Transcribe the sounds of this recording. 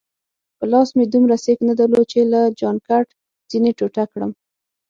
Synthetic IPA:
pəlɑsmed̪umɾaseknad̪alot͡ʃelad͡ʒɑnkaʈ | z̥ineʈoʈakɽə̰m

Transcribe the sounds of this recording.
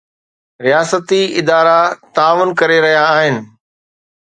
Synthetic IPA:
ɾijaːsət̪iɪd̪aːɾat̪aːʋʊnkɐɾeɾɐɦijaːɦɪnɪ̆

